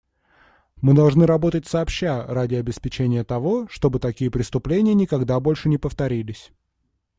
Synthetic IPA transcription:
mɨd̪ɐlˠʐnɨɾɐbo̞t̪ətʲsɐːpɕːaradʲɪɐbʲɪspʲɪt͡ɕenʲɪjət̪ɐvo̞ʂt̪o̞bɨt̪ɐkʲijəpɾʲɪst̪ʊplʲenʲɪjənʲɪkɐɡd̪abo̞lʲʂɨnʲɪpəft̪ɐɾʲilʲɪsʲ

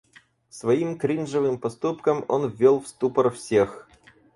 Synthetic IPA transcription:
svɐimkɾʲinʐɨvɨmpɐst̪upkəmo̰nvʲːolˠfst̪upərfsʲex

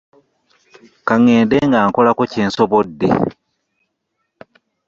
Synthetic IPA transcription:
kaŋeːndeːŋɡaːŋkolakoceːnsoβodːḛ

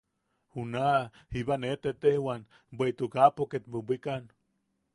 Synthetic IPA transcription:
huna | hiβanet̪et̪ehwan | bʷeit̪ukapoket̪̚bubikan

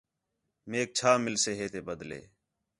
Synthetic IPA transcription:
meːk̚t͡ʃʰaːmɪlseːɦeːt̪eːbəd̪lḛː

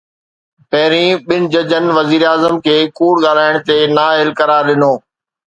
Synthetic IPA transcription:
pɛɦɾĩɓɪnɪ̆d͡ʑəd͡ʑənɪ̆ʋɐziːɾaːzəmkʰeːkuːɽɠaːl̤aːɪɽ̃t̪enaːelkɐɾaːɾɗɪnoː

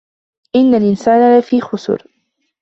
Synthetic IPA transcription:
ʔɪnːalʔɪnsaːnalafiːxʊsʊ̰ɾ

